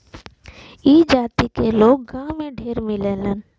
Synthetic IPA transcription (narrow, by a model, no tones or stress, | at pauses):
iːd͡ʒaːt̪ikeloːk̚ɡãːmẽɖʱeːɾmɪleːlən